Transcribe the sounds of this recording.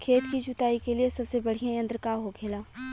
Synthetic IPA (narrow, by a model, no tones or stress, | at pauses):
kʰeːt̪kid͡ʒʱʊt̪aːikeliesɐbsebɐɽ̤ijãjɐ̃nd̪ɾkaɦokʰeːlaː